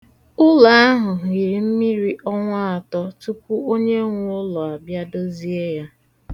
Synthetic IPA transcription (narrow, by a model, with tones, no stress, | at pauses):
ʊ˦la˨a˦ɦʊ˨ɣɪ˨ɾi˨m̩˦mi˦ɾi˦ʔɔ˦ŋʷa˦a˨tɔ˦tu˦kʷu˦o˦ɲe˦ŋʷʊ˦ʊ˦lɔ˨a˨bja˦do˦zi˦e˦ja˦